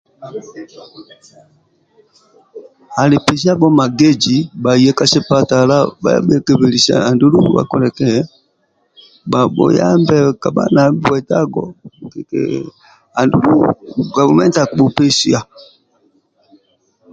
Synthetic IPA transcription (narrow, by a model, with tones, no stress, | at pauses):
a˨li˨pɛ˨s̬i˦a˦bɔ˦ma˨ɡɛ˦d͡ʒi˨ba˨i˨jɛ˦ka˦sɛ˦pa˦ta˨la˦ba̰˦ja̰˦ɓɛ˦kɛ˨βɛ˨li˨sa̰˨a˨ndu˦lu˦˨βa̰˨kɔ˨lɛ˨kɛ˦ɛ˦ | ba˨bɔ̰˨ja̰˦mbɛ˦ka˨ɓa̰˦na˨˦bwɛ˨ta˦ɡɔ̰˦˨kɛ˨kɛ̰˨ | a˨ndu˨lu˦ɡa˨vu˨˦mɛ˦nta˨ku˨˦ɓu˨pɛ˦si˦a˨